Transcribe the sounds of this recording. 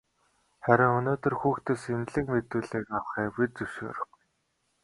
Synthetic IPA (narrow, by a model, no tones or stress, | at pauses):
χæɾʲɪ̆ŋɵnoːt̪ɵ̆rxuːxt̪ʰɵsemɮɘ̆kmet̪uːɮeːkawχæːwit͡sɵʃo̰ːɾə̆χ